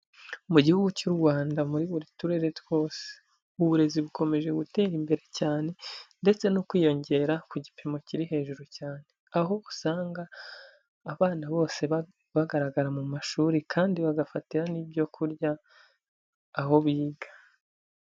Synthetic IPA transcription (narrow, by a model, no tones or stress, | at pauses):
muɟihuɡucuɾɡwaːndamuɾiβuɾituɾe̞ɾetwo̞ːse̥ | uβuɾe̞ziβukʰo̞me̞ʒe̞ɡute̞ːɾimbe̞ɾe̞caːne̞nde̞t͡se̞nokwiːjo̞ɲɟe̞ɾakuɟipʰemo̞ciɾiɦe̞ːʒuɾucaːne̞aɦo̞usaːŋɡaː | βaːnaβo̞ːse̞ | βaɡaɾaɡaɾamumaʃuːɾikʰaːndiβaɡafatiɾanibjo̞kʰuɾɟa | ɦo̞βiːɡḁ